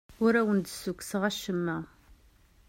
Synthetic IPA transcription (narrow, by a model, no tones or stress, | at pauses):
ʊɾæwənd̪sukːsəʁæʃəmːæ